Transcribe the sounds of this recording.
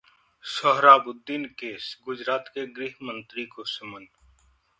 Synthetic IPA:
sɔɦɾaːbʊd̪ːiːnkeːsɡʊd͡ʒɾaːt̪keɡɾiːɦmə̃nt̪ɾikosəmən

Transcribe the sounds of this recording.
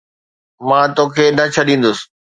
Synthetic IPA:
mãːt̪õːkʰeːnɐt͡ɕʰɐɗĩːn̆d̪ʊsɪ̥

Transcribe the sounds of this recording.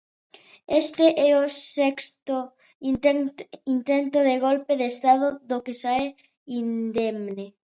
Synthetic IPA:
est̪eʔɛosɛkst̪o | inint̪ent̪oðeɣolpeðest̪að̞oðokesae | ind̪emne

